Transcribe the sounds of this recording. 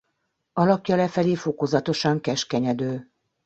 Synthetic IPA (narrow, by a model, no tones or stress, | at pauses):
ɒlɒkjɒlɛfɛleːfo̞kozɒt̪o̞ʃɒŋkɛʃkɛɲɛd̪øː